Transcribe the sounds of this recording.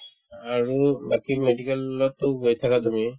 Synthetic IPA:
aɾubakimeɖikelːɔt̪oɦojet̪ʰakat̪umi

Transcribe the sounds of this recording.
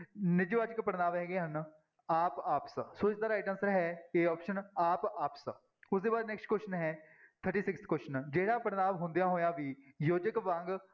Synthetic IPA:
nɪd͡ʒʋaːt͡ʃəkpəɾnaːʋɛːɡeːɦən | aːpaːpssoːɪsd̪aːɾaːʈəmsɾɦɛːeːɔːpʃənaːpaːps | ʊsd̪eːbaːd̪nɛːksʈkwoʃənɦɛː | t̪ʰəɾʈiːsɪkst̪ʰkoːʃənd͡ʒeːɽaːpəɾnaːʋɦʊ̃nd̪jãːɦoːjãːʋiːjoːd͡ʒəkʋãːŋɡ

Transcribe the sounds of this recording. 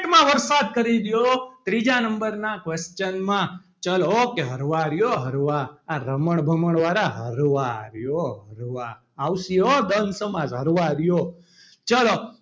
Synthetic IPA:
ʈmãʋəɾsad̪̚kəɾid̪jot̪ɾid͡ʒanəmbəɾnakʋest͡ʃənmã | t͡ʃəlokeɦəɾʋaɾjoɦəɾʋaːɾəməɳbʱəməɳʋaɾaɦəɾʋaɾjoɦəɾʋaː | wsijod̪ənsəmad͡ʒɦəɾʋaɾjo | t͡ʃəlo

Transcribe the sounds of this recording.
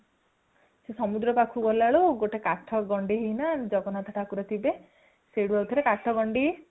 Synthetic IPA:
sesɔmud̪ɾɔpakʰuɡɔlaɭuɡoʈekaʈʰɔɡɔɳɖiɦejnad͡ʒɔɡɔnat̪ʰaʈʰakuɾɔt̪ʰibe | seɽuawt̪ʰɔɾekaʈʰɔɡɔɳɖi

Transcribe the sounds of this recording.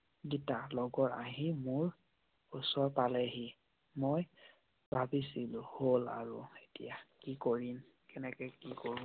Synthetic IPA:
ɡitalɔɡɔɹa̰ɦimʊɹ | usɔɹpalɛɦi | moj | bʱabisilʊ̃hola̰ɹṵetḭjakikoɹim | kɛnɛkɛkikoɹũ

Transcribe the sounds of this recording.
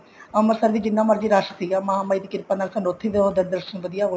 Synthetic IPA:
əməɾsəɾd̪iːd͡ʒɪnːãːməɾd͡ʒiːɾaːʃət̪ʰijaːmɐɦaːmaid̪ikɪɾpaːnaːlsənot̪ʰːeːd̪eoːd̪əɾd̪əɾʃənʋəd̪ɪjaːɦo

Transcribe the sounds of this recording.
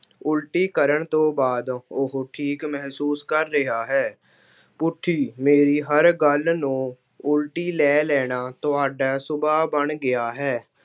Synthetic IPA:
ʊlʈiːkəɾəɳt̪õːbaːd̪ʊɦoʈʰiːkmɛɦsuːskəɾːɪɦaːɦɛː | pʊʈʰːiːmeːɾiːɦəɾɡəlnũː | ʊlʈiːlɛːlɛːnaːt̪ʊaːɖaːsʊbaːbəɳɡɪjaːɦɛː

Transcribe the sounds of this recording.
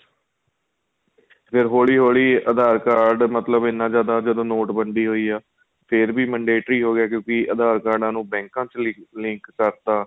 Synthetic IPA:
pʰɪɾɦoːɭiːɦoːɭiːəd̪aːɾkaːɾɖmət̪ləbɪnːãːd͡ʒjaːd̪aːd͡ʒəd̪õːnoːʈbəɳɖiːɦoːiːaː | pʰɪɾbiːmə̃ɳɖeːʈɾiːɦoːɡɪaːk̬jõːkɪʔəd̪aːɾkaːɾɖãːnũːbɛ̃ːŋkãːt͡ʃlɪ̃ŋkːəɾt̪aː

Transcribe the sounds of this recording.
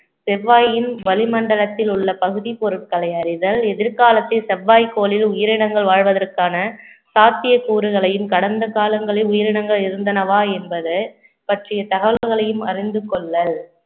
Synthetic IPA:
sɛʋːaːjɪnʋɐlɪmɐɳɖɐɭɐt̪ːɪlʊɭːɐpɐɣɯðipɔɾɯʈ̚kɐɭɐɪɐɾɪðɐlɛðɪɾkaːlɐt̪ːɐsɛʋːaːjkoːlɪlʊjɐɾɪɽɐŋɡɐɭʋaːɻʋɐðɐrkaːnɐ | saːt̪ːɪjɐkuːɾɯɣɐɭɐjɯmkɐɽɐnd̪ɐkaːlɐŋɡɐɭɐʊjɐɾɪɽɐŋɡɐɭɪɾɯnd̪ɐnɐʋaːɛnbɐðɯ | pɐʈrɪjɐt̪ɐɣɐʋɐlɐɾɣɐɭɐjɯmɐ̰rɪnd̪ɯkɔɭːɐl

